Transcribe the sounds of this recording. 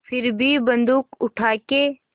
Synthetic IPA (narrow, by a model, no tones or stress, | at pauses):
fʰɪɾbʱibɐ̃nd̪uːkʊʈʰaːke